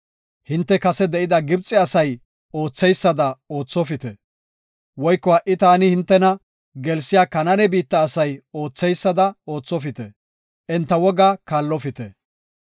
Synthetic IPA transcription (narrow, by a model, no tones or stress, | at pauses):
hɪnt̪ːɛkɐsɛd̪ɛʔɪd̪ɐɡɪb̚t͡sʼːɪɐsɐj | o̞ːt͡sːɛjsːɐd̪ɐo̞ːt͡sːɔfɪt̪ɛ | wɔjkːɔhɐʔːɪt̪aːnɪhɪnt̪ːɛnɐ | ɡɛlsɪjaːkɐnɐnɛbiːt̪ːɐːsɐjo̞ːt͡sːɛjsːɐd̪ɐo̞ːt͡sːɔfɪt̪ɛ | ʔɛnt̪ːɐwɔɡaːkaːlːɔfɪt̪ɛ